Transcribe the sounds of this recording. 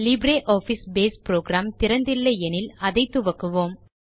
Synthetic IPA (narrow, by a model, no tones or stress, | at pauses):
liːbɾeːʔɔːfisbeːspɾoːɡɾaːmt̪ɪɾɐnd̪ɪlːɐɛnɪlɐðɐɪt̪ːɯʋɐkːɯʋoːm